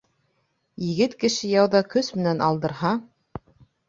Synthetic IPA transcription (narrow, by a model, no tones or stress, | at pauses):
jɘ̆ɡɘt̪kɘ̆ʃɘjɑwðɑkɵsmɘ̆nænʔɑlˠd̪ɤ̆ɾɦɑ